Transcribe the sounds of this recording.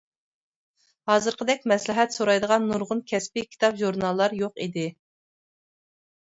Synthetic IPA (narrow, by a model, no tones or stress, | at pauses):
hɑːzɨɾqʰəd̪ɛk̚ʲmɛslɪɦɛt̪soɾɑjd̪əʁɑnːuɾʁʊnkʲʰɛspɪkʲʰi̥t̪ʰɑpʒuɾnɑlˠːɑɾjoqid̪ɪ